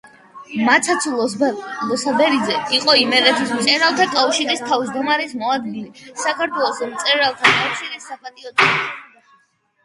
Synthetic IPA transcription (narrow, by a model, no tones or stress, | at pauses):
mat̪sʰat̪sʰulˠɔlɔsabɛɾid̪zɛiqʼɔimɛɾɛt̪ʰismt̪sʼɛɾalˠt̪ʰakʼafʃiɾist̪ʰavzd̪ɔmaɾismɔad̪ɡilisakʰaɾt̪ʰwɛlˠɔsmt̪sʼɛɾalˠt̪ʰakʼat̪sʰiɾisːapʼat̪ʼiɔt̪ʰʼi